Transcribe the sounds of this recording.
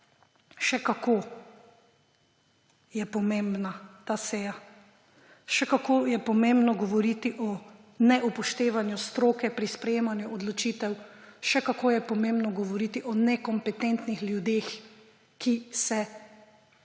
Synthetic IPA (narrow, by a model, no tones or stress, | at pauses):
ʃɛkako | jɛpɔmẽmbnat̪aːsɛːja | ʃɛkakoːjɛpɔmẽmbnɔɡɔʋɔɾiːt̪iʔɔ | nɛʔupɔʃt̪eːʋanjust̪ɾoːkɛpɾispɾɛjeːmanjuɔd̪lɔt͡ʃiːt̪ɛwʃɛkakoːjɛpɔmembnɔɡɔʋɔɾiːt̪iʔɔnɛkɔmpɛt̪ɛnt̪nixljud̪eːx | kisɛ